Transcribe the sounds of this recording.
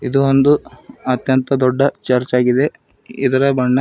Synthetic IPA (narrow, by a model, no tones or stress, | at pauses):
id̪uond̪uɐt̪jɐnt̪ɐd̪ɔɖːɐt͡ʃɐɾt͡ʃaːɡid̪e̞ | id̪ɐɾɐbɐɳːɐ